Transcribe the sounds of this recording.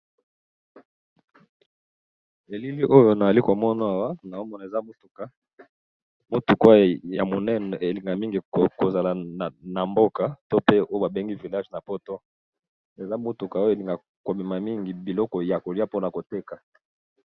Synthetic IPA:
e˨li˦li˦ʔo˦jo˨na˨za˨li˦ko˨mɔ˦na˨a˨wa˦na˨o˦mɔ˦na˨e˨za˦mo˦tu˨ka˦ | mo˦tu˨kwa˦ja˨mo˨nɛ˦nɔ˨e˨li˨ŋɡa˨mi˦ŋɡi˨ko˨za˨la˨na˨mbo˦ka˨to˦pe˦o˦o˦ba˨be˦ŋɡi˦vi˨la˦ʒna˨po˦to˦ | e˨za˦mo˦tu˨ka˨o˦o˦e˨li˨ŋɡa˨ | ko˨mi˨ma˨mi˦ŋɡi˨bi˨lɔ˦kɔ˨ja˨ko˨li˦a˦po˦na˨ko˨te˦ka˨

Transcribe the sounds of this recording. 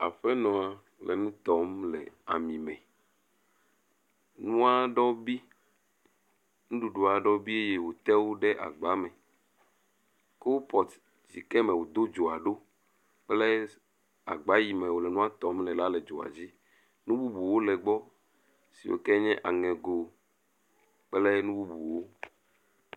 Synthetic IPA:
a̰˨ɸɛ˦nɔ̃˨a˨ | lɛ̰˨nũ˦t̪ɔ˨˦mlɛ̰˨a̰˨mĩ˨mɛ̰̃˨ | nũ˦a˦ɖɔ˦bi˦ | nũ˦ɖu˨ɖo˨a˨ɖɔ˦bi˦e˦je˦wo˨t̪ɛ˦wo˦ɖɛ˦ʔa̰˨ɡ͡ba˦mɛ̃˨ | ke˦wo˦pɔ˨t̪ | d͡ʑḭ˨kɛ˦mɛ̃˨wo˨d̪o˦d͡ʒo˨a˨ɖo˦ | k͡plɛ˦ | a̰˨ɡ͡ba˦ji˨mɛ̃˨wo˨lɛ˨nũ˦a˦t̪ɔ˨˦mlɛ̃˨la˦le˨d͡ʒo̰˨a̰˨d͡ʑi˦ | nũ˦bu˦bu˨wo˦lɛ˨ɡ͡bɔ˦ | sḭ˨wo̰˨kɛ˦ɲɛ̃˦ʔa˨ŋɛ̃˨ɡo˨ | k͡plɛ˦nũ˦bu˦bu˨wo˦

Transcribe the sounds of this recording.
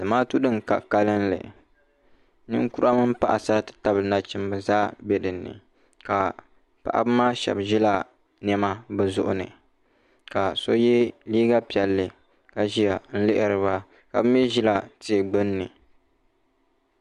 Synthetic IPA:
dɨ˨maː˦tu˦dɨ˦ŋka̰˨ka˦lɨ˦nlɨ̰˨ | nɨ˦ŋku˦ɾa˦mɨ˦m˦pa˦ʔa˨sa˦tɨ̥˨ta˦bna˦t͡ʃi˦m˦bɨ˨zaː˦bɛ˨dɨ˨nːɨ̰˨ | ka˨ | pa˨ʔa̰˨bɨ˦maː˦ʃɛ̰˨bʒi˦la˨ | nɛ˦ma˦bɨ˨zʊ̰˦ʔʊ̰˦nɨ̰˨ | ka˨so˦jɛ˦liː˦ɡa˦pi˨ɛ˨lːɨ˨ | ka˨ʒi˦ja˨n̩˦lɨ˦ʔɪ˨ɾɨ˨βa˦ | ka̰˨bɨ˦mjɛ˦ʒi˦la˨ti˨ɡ͡bɨ˦nːɨ˨

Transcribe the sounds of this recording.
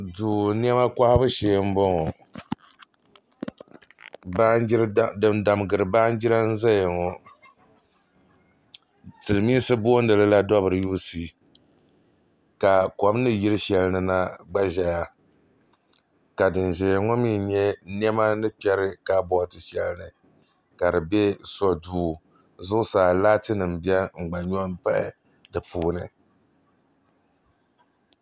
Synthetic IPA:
duː˨n˦ɛ˦ma˦kʷa˦hbɨ˦ʃeː˨˦m̩˦bɔ˦ŋɔ˨ | ba˦ɾdɨ˦mda˨mɡɨ˨ɾɨ˨baː˦n˦d͡ʒi˦ɾa˦n̩˦za˦jŋɔ˨ | tɨ˨lɨ˨miː˦sɨ˦bo˦n˦dɨ˨lɨ˦la˦dɔ˦bɨ˨ɾɨ˨juː˦si˦ | ka˨kɔ˨m˦nɨ˦ji˦ɾɨ˦ʃɛ˨lnɨ˨na˦ɡ͡ba˦ʒɛ˨ja˦ | ka˨dɨ˨n˨ʒɛ˨ŋɔ˦miː˦ɲɛ˦n˦ɛ˦ma˦nɨ˦pɛ˦ɾɨ˦ka˦bɔ˨tɨ˨ʃɛ˨lɨ˦nɨ˨ | ka˨dɨ˨bɛ˦sɔ˦duː˦˨ | zʊ˦ʔʊ˦saː˨laː˦tɨ˦nɨ˨m̩˨bi˦ɛ˦ŋ͡m̩˨ɡ͡ba˨ɲɔ˦mpa˦ɪ̰˨ | dɨ˨pʰuː˨nɨ˨

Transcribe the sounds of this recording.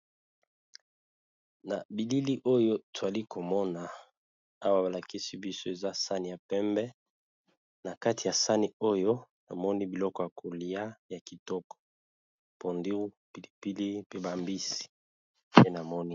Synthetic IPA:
na˨bi˨li˦li˦ʔo˦jo˦to˨a˨li˦ko˨mɔ˦na˨ | a˦wa˦ba˨la˨ki˦si˦bi˦so˦e˨za˦sa˦ni˨ja˨pɛ˦mbɛ˦ | na˨ka˦ti˨ja˨sa˦ni˨o˦jo˦ | na˨mɔ˦ni˦bi˨lɔ˦kɔ˨ja˨kʰo˨li˨a˦ja˨ki˨tɔ˦kɔ̥˨ | po˨ndi˦ʁu˦ | pi˨li˨pi˦li˦pe˦ba˨mbi˦si̥˨ | pe˦na˨mɔ˦ni˦

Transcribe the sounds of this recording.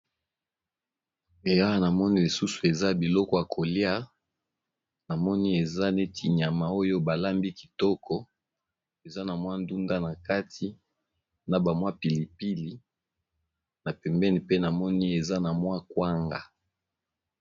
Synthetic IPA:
e˨ja˦wa˨na˨mɔ˦ni˦li˨su˦su̥˨e˨za˦bi˨lɔ˦kɔ˦˨ja˨kʰo˨lja˦ | na˨mɔ˦ni˦e˨za˦ne˦ti˨ɲ˨a˨ma˨o˦jo˦ba˨la˦mbi˦ki̥˨tɔ˦kʰɔ˦ | e˨za˦na˨mwa˦ndu˦nda˦na˨ka˦tʰi˨ | na˨ba˨mwa˦pi˨li˨pi˦li˨ | na˨pɛ˨mbɛ˦ni˨pe˦na˨mɔ˦ni˦e˨za˦na˨mwa˦kwa˦ŋɡa˨

